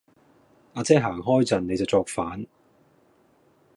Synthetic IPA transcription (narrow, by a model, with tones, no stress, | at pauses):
ʔaː˧t͡sɛː˥ɦaː˨˩ŋɦɔː˥jt͡sɐ˨nːe˨˧jt͡sɐ˨wt͡sɔː˧k̚faː˨˥n